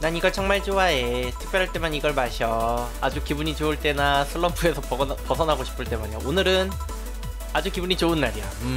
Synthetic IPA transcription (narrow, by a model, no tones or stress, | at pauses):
naniɡʌɭt͡ɕʰʌŋmaɭt͡ɕoaetʰɯ̥k̚p͈jʌɾaɭt͈e̞maniɡʌɭmaɕʰiʌ | a̰d͡ʑukibuɲit͡ɕoɯɭt͈e̞nasʰɯɭːʌmpʰue̞sʰʌpʌsʰʌnɦaɡoɕʰi̥pʰɯɭt͈e̞maɲoonɯɾɯn | ad͡ʑukibuɲit͡ɕoɯnːaɾijʌ̰